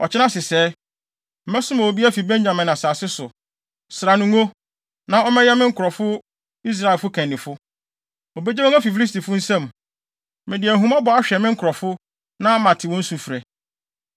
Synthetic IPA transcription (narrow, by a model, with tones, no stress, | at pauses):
ɔ˨t͡ɕʰɪ˦nã˦sɪ˨sɛ˦ | m̩˨mɛ˦sʊ˦mã˨wo˨bi˦a˦fi˨bẽ˦ɲɲã˨mɪ̃˨nã˨saː˨sɪ˦sʊ˨ | sɾa˨nũ˨ŋo˦ | nã˦ɔ˦mɛ̃˦jɛ˦mɪ̃˦ŋ̩˦kʰʊ˨ɾɔ˨fʊ˦ | i˦s̬ɾa˦ɪ˨lfʊ˦kʰæ̃˨nːɪ̃˨fʊ˦ | o˨be˦d͡ʑɛ˦wɔ˦mæ˦fi˨fi˦li˦sti˨fʊ˦n̩˦sɛ̃˦˨m | mɛ̃˨dɪ˨æ˨ɦũ˦ma˦bɔ˨˦a˦ɕᶣɛ˨mɪ̃˦ŋ̩˦kʰʊ˨ɾɔ˨fʊ˦ | nã˦mã˨tʰɪ˨wɔ̃˦n̩˦sũ˨fɾɛ˨